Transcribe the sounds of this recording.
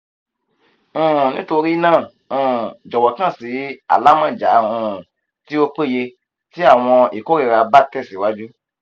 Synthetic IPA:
nĩ˦to˧ɾi˦nãː˦˨ | d͡ʒɔ˨wɔ˨kã˦˨si˨˦a̰˨la˦mã˦˨d͡ʒa˨˦˨ũ˧˨ | ti˦o˧k͡pe˦˨je˧ | ti˦a˦˨w̃ɔ̃˧i˨ko˦ɾi˦˧˨ɾa˧ba˦tɛ˦˨si˨˦wa˦d͡ʒu˦

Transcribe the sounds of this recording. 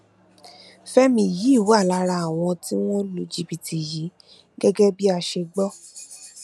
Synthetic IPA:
fɛ˦mĩ˧ji˨˦˨wu˦a˦˨la˨˧˦ɾa˧a˨w̃ɔ̃˧ti˦w̃ɔ̃˦lo˨d͡ʒi˨bi˨ti˨ji˨˦ | ɡɛ˦ɡɛ˦bi˦a˧ʃe˧ɡ͡bɔ˦

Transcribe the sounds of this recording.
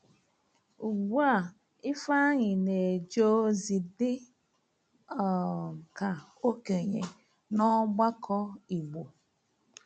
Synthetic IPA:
u˨ɡ͡bu˦a˦˨ | ɪ˦fa˦ɲɪ˨ne˨d͡ʒo˦zi˨dɪ˦ | ɔ˨ka˨ | o˦ke˨ɲe˨ | nɔ˦ɡ͡ba˦kʰɔ˦i˨ɡ͡bo˨

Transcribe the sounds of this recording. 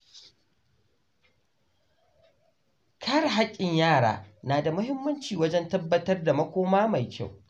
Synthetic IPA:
kʰa˦ɾɦa˦kʲʼːɪ˨ɲjaː˦˨ɽa̰ː˨naː˨da˨mʊ˦hɪ˦mːɐ˦nt͡ʃiː˨wɐ˦d͡ʒɛ˦ntɐ˦bːɐ˦tɐ˦rda˨mɐ˦kʷoː˦maː˦ma˨jkʲa̰˦˨w

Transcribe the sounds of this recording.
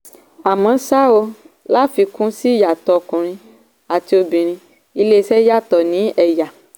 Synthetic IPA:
a˨mã˨˦sa˦o˧ | la˦fi˧kũ˦si˦ja˨t̪ɔ˨kũ˨ɾ̃ĩ˧ | a˨ti˧˦o˧bĩ˨ɾ̃ĩ˧ | i˧le˦˧sɛ˦ja˦˨t̪ɔ˨nĩ˨˦ɛ˨ja˨

